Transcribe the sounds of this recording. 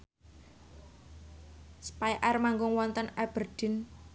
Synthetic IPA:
spajʔarmaŋɡʊŋwɔnt̪ənab̥ərd̪̥ɪ̤n

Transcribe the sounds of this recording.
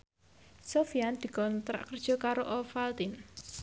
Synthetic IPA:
sofiand̪̥i̤kɔnt̪ɾa̰ʔkərd̥ʒ̥ɔ̤kaɾoʔɔfalt̪in

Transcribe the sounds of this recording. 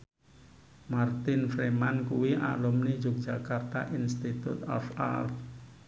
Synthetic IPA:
mart̪ɪnfɾemankuwiʔa̰lumnid͡ʒʊk̚d̥d͡ʒakart̪aʔinst̪it̪ṵt̪ɔ̰fa̰lf

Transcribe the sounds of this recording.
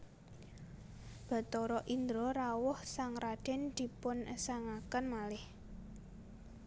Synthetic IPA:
b̥a̤t̪ɔɾɔʔind̪ɾɔɾawʊhsaŋrad̥ɛ̤nd̪̥i̤pʊnəsaŋakənmalɪh

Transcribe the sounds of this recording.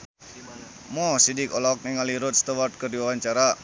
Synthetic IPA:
mosidikɔlɔk̚niŋaliɾʊt̪̚st̪awart̪̚kərdiwawaɲt͡ʃaɾa

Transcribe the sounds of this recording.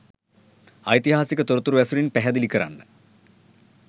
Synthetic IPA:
ɐjt̪ihaːsikʲːɐt̪urɐt̪ːurʋesuɾinpeɦɐd̪ilikʲːɐra̰ːɳːɨ

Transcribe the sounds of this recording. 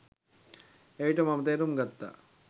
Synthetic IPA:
eiʈɐmɐmt̪eːɾumɡɐt̪ːa̰

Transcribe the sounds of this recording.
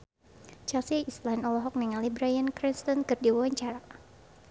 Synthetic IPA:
t͡ʃasiislanɔlɔɦɔk̚nɛŋalibɾajankɾinst̪ɔnkɨrdiwawaɲt͡ʃaɾa

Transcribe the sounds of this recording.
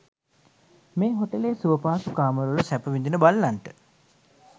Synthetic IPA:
meːɦoʈəleːsuʋəpaːsukaːməɾulusæpəʋind̪inəbalːanʈə

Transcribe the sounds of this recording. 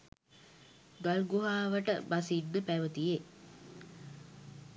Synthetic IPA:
ɡalɡuɦaːʋəʈə̰basiɖːəpæʋət̪ije

